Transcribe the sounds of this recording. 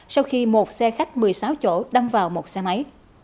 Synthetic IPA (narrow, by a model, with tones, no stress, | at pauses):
sa˧wxi˧mo˨˩t̚sɛ˧xa˦˥k̚mɨ˨˩əjsaː˨˦wt͡ɕo̰˧˥ɗa˧mvaː˨˩wmo˨˩t̚sɛ˧ma˨˦j